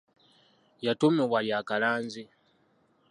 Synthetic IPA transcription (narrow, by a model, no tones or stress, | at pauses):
jatomeβwaljaːkalaːnzi